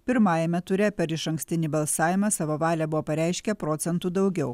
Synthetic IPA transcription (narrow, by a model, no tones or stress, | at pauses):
pʲɪɾmɑːjɛmʲɛt̪ʊɾʲɛpʲɛɾɪʃɐŋʲksʲt̪ʲɪnʲiːbɐlˠsɑːʋʲɪmɑsɑʋoːʋɑːlʲɛbʊʋoːpɐɾʲæˑɪʃʲkʲɛpɾoːt̪sʲɛnt̪uːd̪ɒʊɡʲɛʊ